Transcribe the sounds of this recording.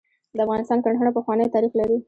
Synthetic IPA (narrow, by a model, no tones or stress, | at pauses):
d̪əafɣɑnɪst̪ɑnkaɳɖəɳapəxwɑnəjt̪ɑɾixlaɾi